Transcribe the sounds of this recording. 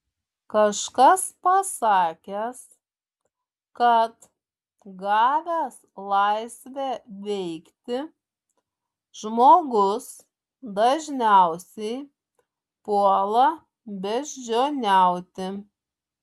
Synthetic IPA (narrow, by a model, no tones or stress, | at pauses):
kɐʃkɐspɐsɑːkʲɛs | kɐt̪ | ɡɑːʋʲɛːslˠɑɪsʲʋʲæʋʲɛɪkt̪ʲɪ | ʒmoːɡʊs | d̪ɐʒʲnʲæˑʊsʲɛɪ | puɔlˠɐ | bʲɛʒʲd͡ʒʲoːnʲæˑʊt̪ʲɪ